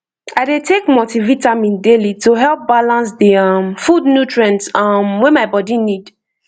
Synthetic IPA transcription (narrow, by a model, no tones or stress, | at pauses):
aɪdetʰekmotivitãmĩndelitʰuɦɛlˠp̚balãns̬diʌmfudnutɹɛ̃ntʌmwɛ̃maɪbɔdinid